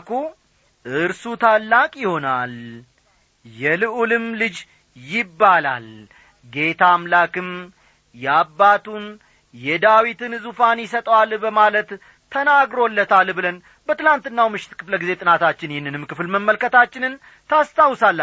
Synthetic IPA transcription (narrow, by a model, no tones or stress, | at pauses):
ku | ʔɨɾsut̪ʰalːakʼjɪho̞nal | jɛlɨʔulɨmlɨd͡ʒ | jɪbːala̰l | ɡe̞t̪ʰamlakɨm | jɛabːat̪ʰun | jɛd̪awit̪ɨnzufanjɪs̬ət̪ʼəwalbəmalət̪ʰː | ənaɡɾo̞lːət̪ʰalbɨlən | bət̪ɨlant̪ɨnːawmɨʃɪt̪kʰɨfləɡize̞t̪ʼɨnat̪ʰat͡ʃːɪnjɪnːɨnɨmkɨfɨlməmːəlkət̪at͡ʃːɪnɨn | t̪ʰast̪ʰawsalː